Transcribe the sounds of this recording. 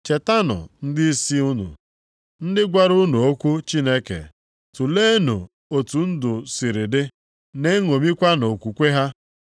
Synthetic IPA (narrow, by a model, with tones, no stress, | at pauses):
t͡ʃe˨ta˦nʊ̰˨n̩˦dɪ˦i˦si˦u˦nṵ˨ | n̩˦dɪ˦ɡʷa˦ɾʊ˦nu˨o˦kʷu˦t͡ʃi˦ne˦kḛ˨ | tu˨le˦nṵ˨ | o˨tu˨n̩˦dʊ˨si˨ɾi˨dɪ˦ | ne˦ŋo˨mi˦kʷa˦no˨kʷu˨kʷe˦ɦa˦